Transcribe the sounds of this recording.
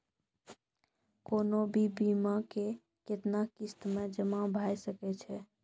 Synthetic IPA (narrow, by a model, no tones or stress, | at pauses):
konobibimake | ket̪nakist̪med͡ʒəmabʱajsəkɛt͡ʃʰɛ